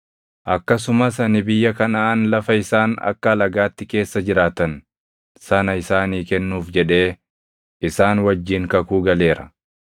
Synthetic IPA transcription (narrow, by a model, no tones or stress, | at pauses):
ʔɐkːɐs̬ʊmɐsɐnɪbɪjːɐkɐnɐːnlɐfɐɪsaːnɐ̰kːɐɐlɐɡaːt̪ːɪke̞ːsːɐd͡ʒɪɾaːt̪ɐn | sɐnɐɪsaːniːkɛnːuːfd͡ʒɛᶑe̞ː | ɪsaːnwɐd͡ʒːiːŋkɐkuːɡɐle̞ːɾɐ̰